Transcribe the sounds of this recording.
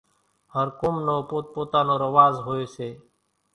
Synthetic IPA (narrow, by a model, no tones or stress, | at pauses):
həɾkomnoːpoːt̪̚poːt̪aːnoːɾəʋaːzɦoːeːseː